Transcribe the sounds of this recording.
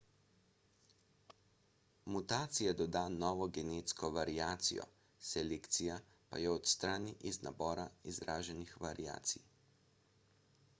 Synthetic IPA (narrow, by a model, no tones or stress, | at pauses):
mut̪aːt̪sijad̪ɔd̪aːnɔːʋɔɡɛneːt̪skɔʋaɾiaːt̪sḭjɔ̰ | sɛleːkt̪sija | pa̰jɛɔt̪st̪ɾaːniʔizna̰bɔːɾaizɾaːʒɛnixʋaɾia̰ːt̪sḭj